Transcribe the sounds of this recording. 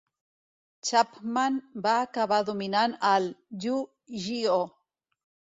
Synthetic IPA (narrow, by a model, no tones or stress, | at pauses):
t͡ʃapmanbakaβaðuminanalju | ʒio